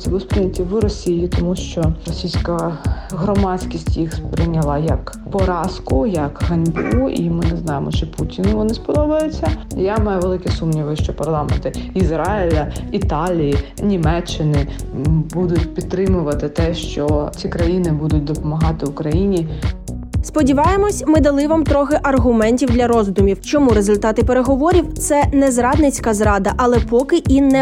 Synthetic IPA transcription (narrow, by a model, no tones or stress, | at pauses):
sʲilˠʊspɾɪnʲɐtʲiʋɪɾɔsʲijit̪ɔmuʃt͡ʃɔɾɔsʲijsʲkɐɦɾɔmɑsʲkʲisʲtʲjixspɾɪnʲɐlˠɑjɐk | pɔɾɑskʊjɐkɦɐnʲb̰uʔḭmɪnɛznɑjemɔt͡ʃɪputʲinʊʋɔnɪspɔd̪ɔʋɐjʊt͡sʲːɐjamɑjɛʋelˠɪkɛsumnʲiʋɐjʊʃt͡ʃɔpɐrlˠɑmḛnt̪ɪizɾɑɪlʲɐit̪ɑlʲijinʲimɛt͡ʃːɪnɪbud̪ʊtʲpʲid̪̚t̪ːɾɪmʊʋɐt̪ɪt̪ɛʃt͡ʃɔt͡sʲikɾɐjinɪbud̪ʊtʲd̪ɔpɔmɐɦɑt̪ɪʊkɾɐjinʲi | spɔdʲiʋɑjemɔsʲmɪd̪ɐlˠɪʋɑmt̪ɾɔxɪʔɐrɦʊmɛnʲtʲiwd̪lʲɐɾɔzd̪ʊmʲiwt͡ʃɔmuɾezʊlʲt̪ɑt̪ɪpeɾeɦɔʋɔɾʲiwt̪sɛnɛzɾɑd̪nɪt͡sʲkɐzɾɑd̪ɐʔɐlˠɛpɔkɪʔinɛ